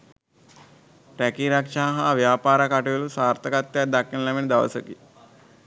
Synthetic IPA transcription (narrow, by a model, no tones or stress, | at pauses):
ɾækiɾakʂaːɦaʋjaːpaːɾakaʈejəlusaːɾt̪ɐkat̪ːjad̪akːinəlamenəd̪aʋə̰səkḭ